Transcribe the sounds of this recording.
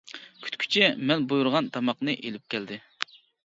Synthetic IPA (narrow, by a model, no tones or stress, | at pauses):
kʲʰy̥t̪kʲʰy̥t͡ʃʰɛmɛnbujuɾʁɑnt̪ʰɑmɑqnɨʔelɪp̚kʲʰɛld̪ɪ